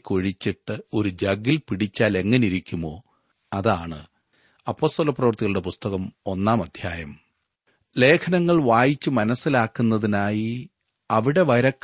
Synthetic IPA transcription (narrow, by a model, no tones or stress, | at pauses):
kːoɻit͡ɕːiʈːɨo̞ɾud͡ʑɐɡilpiɽit͡ɕːaːle̞ŋːɐneiɾikʲːumːo̞ː | ɐðaːɳɨ̰ | ɐpːo̞ːst̪olɐprɐʋɐrt̪iɣɐɭuɽe̞pust̪ɐɣɐmo̞nːaːmɐd̪ʱjaːjɐm | le̞ːkʰɐnɐŋːɐɭʋaːjit͡ɕːɨmɐnɐsːilaːkːunːɐðinaːji | ɐʋiɽe̞ʋɐɾɐkː